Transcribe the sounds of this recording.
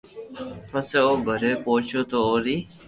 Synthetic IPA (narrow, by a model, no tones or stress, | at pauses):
pəseːoːɡʱəɾeːpoːt͡ʃʰoːt̪oːoːɾiː